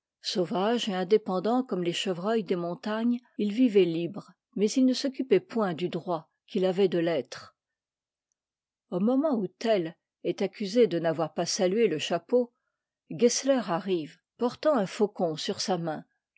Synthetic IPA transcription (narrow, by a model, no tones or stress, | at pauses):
sovaʒeɛ̃d̪epɑ̃d̪ɑ̃kɔmleʃəvʁœjd̪emɔ̃t̪aɲ | ilvivɛlibʁ | mɛzilnəsɔkʲypɛpwɛ̃d̪yd̪ʁwa | kʲilavɛd̪əlɛt̪χ | omɔmɑ̃ut̪ɛl | ɛt̪akʲʰyzed̪ənavwaʁpasalɥeləʃapo | ɡɛslœʁaʁiv | pɔʁt̪ɑ̃ɛ̃fokɔ̃syʁsamɛ̃